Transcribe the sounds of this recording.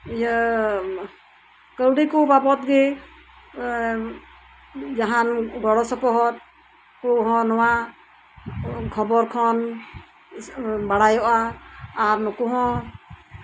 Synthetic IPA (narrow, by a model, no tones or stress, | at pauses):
ija | kəwɖikubapɔt̪̚ɡɛ | d͡ʒaɦanɡɔɽɔsɔpɔɦɔt̪̚ | kuɦɔ̃nɔwa | kʰɔbɔɾkʰɔn | baɽajɔʔaː | ɾnɔkuɦɔ̃